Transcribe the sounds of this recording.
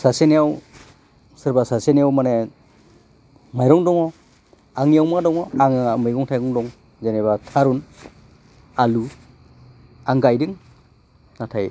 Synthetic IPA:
sasenijaw | sɯɾbasasenijawmane | majɾɔŋdɔŋɔ | aŋijawmadɔŋɔaŋɯmɯjɡɔŋtʰajɡɔŋdɔŋ | zenebatʰaɾun | alu | aŋɡajdɯŋ | natʰaj

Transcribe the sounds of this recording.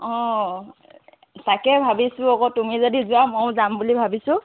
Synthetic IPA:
ɔ̃ | takɛbʱabisʊɔkɔtumizodizʊwamojzambulibʱabisʊ̃

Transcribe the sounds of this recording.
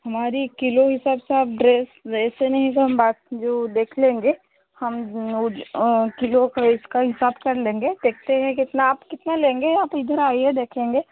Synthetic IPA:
ɦɐmaːɾikɪloɦɪsaːbseaːp̚ɖɾeːsɛːsenɐɦĩt̪oɦɐmbaːt̪̚d͡ʒoːd̪eːkʰlẽːŋɡeː | hɐmʊd͡ʒkɪlokɪskaɦɪsaːbkɐɾlẽːŋɡed̪̥eːk̚ʰt̪eɦɛ̃kɪt̪naaːpkɪt̪nalẽːŋɡeaːpɪd̪əɾaːied̪eːkʰẽːŋɡeː

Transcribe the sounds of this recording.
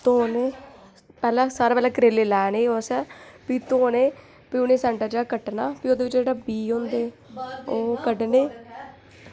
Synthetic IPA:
t̪oːneː | pɛːlɛ̃ːsaːɾaːpɛːlɛ̃ːkɾeːleːlɛːneːoːsɛːpiːt̪oːneː | piːʊnẽːsɛ̃ːɳʈaːd͡ʒeːkəʈnaːpiːoːd̪eːʋɪt͡ʃd͡ʒeːɽaːbiːɦõːnd̪eː | oːkəɖneː

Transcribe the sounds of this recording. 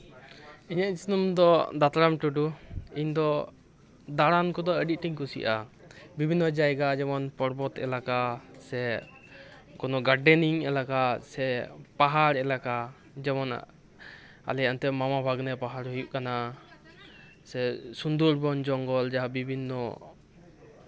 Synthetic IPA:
iɲaʔ̪̚snumd̪ɔd̪at̪ɾamʈuɖuiɲd̪ɔ | d̪aɽankɔd̪ɔəɖiʔ̚ʈiŋkusḭʔa̰ | bibʱinːɔd͡ʒajɡad͡ʒɛmɔnpɔɾbɔt̪ɛ̰lakasɛ | kɔnɔɡaɖɛniŋɛlakasɛpaɦaɾɛlaka | d͡ʒɛmɔna̰ | a̰lɛjant̪ɛmamabʱaɡnɛpaɦaɾɦujuʔ̚kana | sɛsund̪uɾbɔnd͡ʒɔŋɡɔld͡ʒaɦabibʱinːɔ

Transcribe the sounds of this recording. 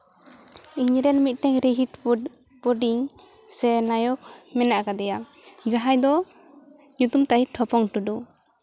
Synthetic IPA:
iɲɾɛnmit̪̚ˀʈɛŋɾiɦiʈ | pɔɖiŋ | sɛnajɔk̚mɛnaʔkad̪ɛja | d͡ʒaɦajd̪ɔ | ɲut̪umt̪ajiʈʰɔpɔŋʈuɖu

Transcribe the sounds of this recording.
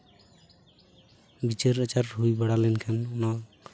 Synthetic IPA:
bit͡ʃeɾət͡ʃaɾɦujbaɽalɛnkʰanuna

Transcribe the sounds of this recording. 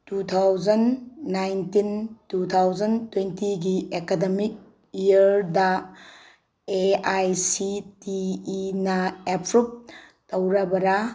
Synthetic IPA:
tut̪ʰawd͡ʒɐnːajntintut̪ʰawzɐntwentiɡiekademik̚ | ijɐɾda | eajsitiːnɐepʰɾup̚ | tɐwɾɐbɐɾa

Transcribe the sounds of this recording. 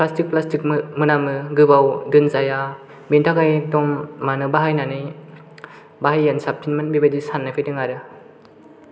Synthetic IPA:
plastik̚plastik̚mɯnamɯɡɯbawdɯnzaja | bintʰakajtɔmːanɯbaɦajnanɯj | baɦajːansap̚tʰinmanbibadisanːapʰejdɯŋaɾɯ

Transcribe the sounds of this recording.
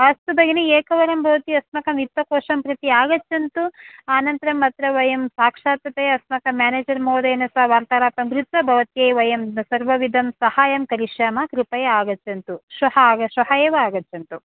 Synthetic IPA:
ɐst̪ub̪ɐɡinieːkɐʋɐɾɐmbʱɐʋɐt̪iɐsmɐkɐmit̪ːɐkɔːʂɐmpɾɐt̪iaːɡɐtːt͡ʃɐnt̪uaːnɐnt̪ɐɾɐmːɐt̪ɾɐʋɐjɐmsaːkʂaːt̪ʋɐt̪ɐjɐsmɐkɐmaːneːd͡ʒɐɾmoːd̪ɐɐnɐsɐʋaːɾt̪aːɾaːpɐmɡɾut̪ʋɐbʱɐʋɐt̪jejʋɐjɐmsɐɾʋɐʋid̪ʱɐmsɐhaːjɐmkɐɾiʂjaːmɐkɾupɐjɐaːɡɐt͡ʃːɐnt̪uʃɐhɐɡɐʃɐhɐjeːʋɐaːɡɐtːjɐnt̪u

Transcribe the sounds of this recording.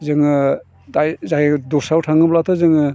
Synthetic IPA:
zɯŋɯ | dajzajdɔsawtʰaŋɯblatʰɯzɯŋɯ

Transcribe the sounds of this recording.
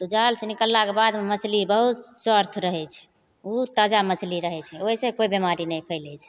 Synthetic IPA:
t̪ud͡ʒalsenikəlːakebad̪memət͡ʃʰlibəɦut̪swəɾt̪ʰɾəɦɛt͡ʃʰɛ̥ | ut̪əd͡ʒamət͡ʃʰliɾəɦɛt͡ʃʰɛoɦisẽkoibemaɾinɛjpʰəɪlɛt͡ʃʰɛ̥

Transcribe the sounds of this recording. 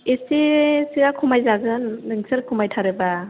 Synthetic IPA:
esesiakʰumajzaɡɯnːɯŋsʰɯɾkʰumajtʰaɾɯba

